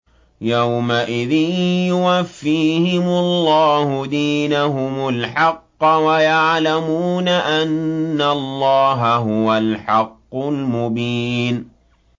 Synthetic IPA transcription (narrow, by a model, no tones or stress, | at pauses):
jawmaʔɪðɪnjʊwafːiːhɪmʊlˤːɑːhʊd̪iːnaɦʊmʊlħɑqːɑwajaʕlamuːnaʔanːaɑlˤːɑːɦaɦʊwalħɑqːʊlmʊbiːn